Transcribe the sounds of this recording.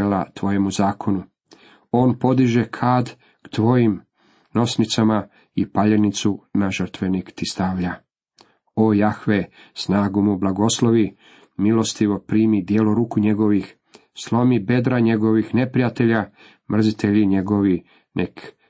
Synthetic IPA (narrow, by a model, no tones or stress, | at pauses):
lat̪ʋo̞je̞muzaːkʰo̞nu | o̞ːnpo̞d̪iʒekʰaːd̪ | kt̪ʋo̞jim | no̞snit̪sama | ipaʎenit̪sunaʒər̩t̪ʋe̞nikt̪ist̪aːʋʎa | ojaxʋesnaːɡumublˠaɡo̞sloʋi | milo̞st̪iʋo̞pɾiːmid̪jeloɾuːkuɲe̞ɡo̞ʋix | slˠo̞mibe̞d̪ɾaɲe̞ɡo̞ʋixne̞pɾijat̪e̞ʎa | mr̩zit̪e̞ʎiɲe̞ɡo̞ʋi | nʔek